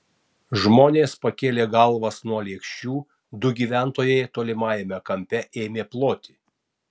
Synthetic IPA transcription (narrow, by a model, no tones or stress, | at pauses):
ʒmoːnʲeːspɐkʲeːlʲeːɡɐlˠˑʋɐsnuɔlʲeːkʃʲt͡ʃʲuː | d̪ʊɡʲiːʋʲæˑnt̪oːjɛɪt̪oːlʲɪmɑːjɛmʲɛkɐmʲpʲɛʔeːmʲeːplˠoːt̪ʲi